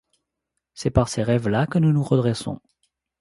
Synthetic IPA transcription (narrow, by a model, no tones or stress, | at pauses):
sɛpaʁseʁɛvlakənunuʁəd̪ʁɛsɔ̰̃